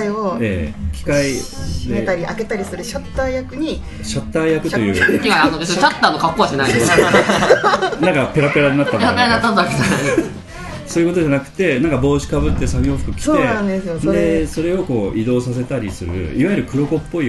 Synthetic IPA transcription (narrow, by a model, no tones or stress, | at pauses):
ioekʲi̥kaid̪et̪aɾʲiʔake̞t̪aɾʲisɨɾɯ̟ɕot̪ːaijakɯ̟ɲ̟i | ɕot̪ːaijakɯ̟t̪o̞jɯ̟̰ːaanod̪est͡ɕat̪ːaːnokakːoaɕenai | nãŋkape̞ɾape̞ɾaɲʲinat̪ːaneɾapeɾaɲinat̪ːanaka | soːjɯ̟kot̪o̞ʑanakɯ̟̥t̪e̞nãŋkabo̞ːɕi̥kabɯ̟t̪ːe̞saɡʲoɸɯ̟̥kɯ̟kʲi̥oeãnd̪esɨjod̪eso̞ɾe̞o̞ko̞ːʔid̪o̞ːsas̬e̞t̪aɾʲisɨɾɯ̟̰iβai̟ɾɯ̟kɯ̟ɾo̞ko̞pːo̞i